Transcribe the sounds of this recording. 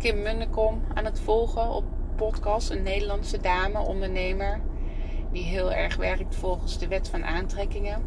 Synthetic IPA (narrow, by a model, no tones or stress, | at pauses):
kɪpmɵndəkɔma̰ːnətfɔlˠχəɔ̰pː | ɔtkɑstənːejdəlɑntsədaːməʔɔ̰ndəɹnejməɹ | diɦɪːlˠɛɹχʋɛɹk̚tfɔlˠχənzdəʋɛtfɑnʔaːntrɛkɪŋə